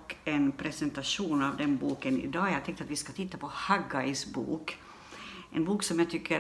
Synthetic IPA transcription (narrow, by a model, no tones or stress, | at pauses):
kːɛnpʰɾɛsɛnt̪aʂuːnaʋd̪ɛnbuːkənɪ̰d̪ɑːjhaɾt̪ɛŋkt̪at̪ʋɪskat̪ʰɪt̪ːapʰɔhaɡaɪsbṵːk | ʔɛ̰nbuːksɔmjat̪ʰʏkʰːə